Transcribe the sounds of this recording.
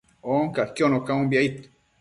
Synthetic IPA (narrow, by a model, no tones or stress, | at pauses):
oŋkakjonokaũmbjait̪